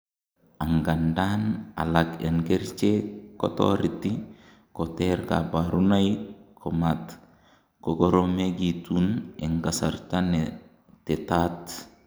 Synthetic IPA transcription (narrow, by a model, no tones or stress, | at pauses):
aŋɡandana̰lakenɡeɾt͡ʃeko̰to̰ɾiti | koteɾka̰baɾunajkʰomat | koɡoɾomeɡituneŋɡasa̰ɾtane | tetat